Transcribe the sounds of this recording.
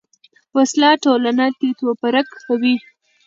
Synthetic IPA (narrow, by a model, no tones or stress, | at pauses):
waslɑʈolanat̪it̪opaɾakkawi